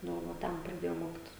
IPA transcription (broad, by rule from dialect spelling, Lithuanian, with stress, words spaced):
ˈnʊ ˈʋɐ ˈtʲɛn prɐˈdʲeːjɛʊ ˈmoːkʲɪtʲɪs